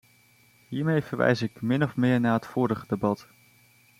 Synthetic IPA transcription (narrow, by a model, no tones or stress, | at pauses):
ɦiːɹmejv̥əɹʋɛ̰jzɪkmɪnɔfmɪːɹnaːɦətfʊːɾəχədebɑt